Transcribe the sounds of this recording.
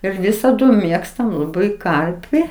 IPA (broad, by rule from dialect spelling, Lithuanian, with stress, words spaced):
ɪr ˈʋʲɪsɐdʊ ˈmʲeːkstɐm lˠɐˈbɐɪ ˈkɐrʲpʲɪ